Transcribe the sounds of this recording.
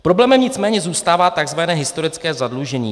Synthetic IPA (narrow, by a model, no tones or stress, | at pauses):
pɾo̞blɛːmɛmɲɪt͡smɛːɲɛzuːst̪aːvaːt̪aɡzvanɛːɦɪst̪o̞ɾɪt͡skɛːzadluʒɛɲḭː